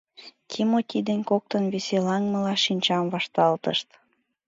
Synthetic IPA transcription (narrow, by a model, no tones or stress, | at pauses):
kʰimot̪ʲid̪enʲkok̚t̪ənβeselɑŋmə̆lɑʃinʲt͡ɕɑmvɑʃt̪ɑlt̪əʃt̪